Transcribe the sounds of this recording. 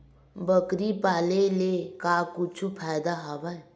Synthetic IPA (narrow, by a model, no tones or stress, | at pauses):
bəkɾipalelekakut͡ʃʰupʰajd̪aɦɔbaj